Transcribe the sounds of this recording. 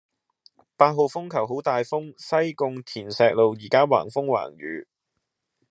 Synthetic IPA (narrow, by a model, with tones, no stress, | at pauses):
paː˧t̚ɦo˨wfʊ˥ŋkʰɐ˨˩wɦo˨˥wt̪aː˨˧jfʊ˥ŋsɐ˥jkʊ˧ŋt̪ʰiː˨˩nsɛː˨˧k̚lo˨wjiː˨˩kaː˥wa̰ː˨˩ŋfʊ˥ŋwa̰ː˨˩ŋɥy̰ː˨˧